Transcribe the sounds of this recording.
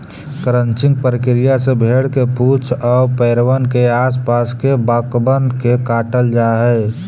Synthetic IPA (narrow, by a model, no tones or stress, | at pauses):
kɾənt͡ʃɪ̃ŋɡ̚pəɾkɾijasebʱeːɽkepuːt͡ʃʰɔːpɛːɾwənkeaːspaːskebakbənkekaːʈəld͡ʒaɦɛː